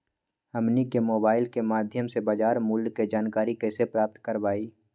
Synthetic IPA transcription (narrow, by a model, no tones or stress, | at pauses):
əmnikemoːbaːɪlkemaːd̪ʱjəmsebaːd͡ʒaːɾmʊlɡked͡ʒaːnkaːɾikɛːsepɾaːp̚t̪kəɾʋaːiː